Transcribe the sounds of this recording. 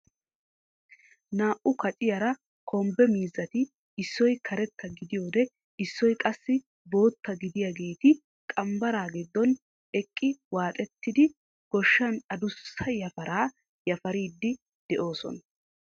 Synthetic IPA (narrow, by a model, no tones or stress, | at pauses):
naːʔʊkɐt͡ʃʼɪjɐɾɐ | kʰɔmbɛmiːzːɐt̪ɪ | ɪsːɔjkʰɐɾɛt̪ːɐɡɪd̪ɪjo̞ːd̪ɛ | ɪsːɔjkʼɐsːɪ | bo̞ːt̪ːɐɡɪd̪ɪjaɡe̞ːt̪ɪ | kʼɐmbɐɾaːɡɪd̪ːɔn | ɛkʼːɪwaːt̪ʼɛt̪ːɪd̪ɪ | ɡ̥ɔʃːɐnɐd̪ʊsːɐjɐfɐɾaː | jɐfɐɾiːd̪ːɪ | d̪̥ɛʔo̞ːsɔ̰nɐ